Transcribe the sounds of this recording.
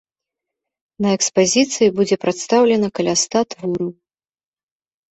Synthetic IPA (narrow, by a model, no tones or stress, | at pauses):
nɐɛkspazʲit̪sɨjibud͡zʲɛpɾat̪st̪awlʲɛnɐkɐlʲast̪at̪vuɾu